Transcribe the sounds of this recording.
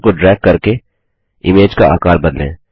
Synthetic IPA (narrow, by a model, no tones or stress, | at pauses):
koɖɾɛːk̚kːɐɾke | ɪmeːd͡ʒkaa̰ːkaːɾbɐd̪lḛ̃ː